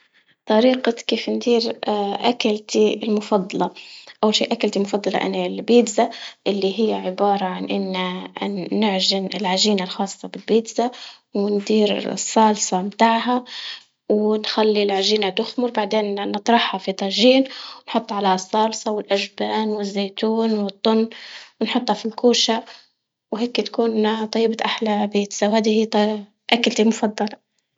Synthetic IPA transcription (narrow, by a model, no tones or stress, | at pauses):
t̪ˤɑɾiːqɑkeːfnd̪iːɾʔakalt̪ilmʊfɑd̪ˤːɑlɑʔawːalʃḭːʔakalt̪imʊfɑd̪ˤːɑlɑ̰ʔa̰nalbiːd̪zaʔɪlːiɦɪjːaʕɪbɑːɾˤɑʕanʔɪnːaː | ɪʕʒɪnɪlʕaʒiːnalxɑːsˤːɑbɪlbiːd̪za | wɪnd̪iːɾ̰sˤːɑːlsˤɑmt̪aːʕɦa | wnxalːilʕaʒiːnat̪ʊxmʊɾbaʕd̪eːnnːɨt̪ˤɾˤɑħhafit̪ˤɑʒiːnwnħʊt̪ˤːʕalahsˤːɑːlsˤɑwɪlʔaʒbaːnwɪzːeːt̪uːnwɨt̪ˤːʊnːwɪnħʊt̪ˤːhɑfilkuːʃa | wheːkːt̪ḁkuːnt̪ˤɑjːbat̪ʔaħlabeːt̪sawhaːd̪ihit̪ | ʔakalt̪imʊfɑd̪ˤːɑlɑ